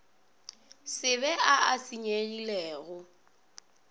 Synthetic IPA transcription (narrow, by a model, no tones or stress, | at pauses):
sɪβɛʔaasiɲeɣilɛːɣʊ